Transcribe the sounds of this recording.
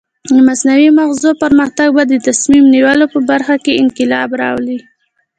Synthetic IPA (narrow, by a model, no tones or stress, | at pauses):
d̪əmasnawimaɣzopəɾməxt̪aɡ̚bad̪ət̪asmimniwəlopəbaɾxakeɪnkɪlɑbɾɑ̰wli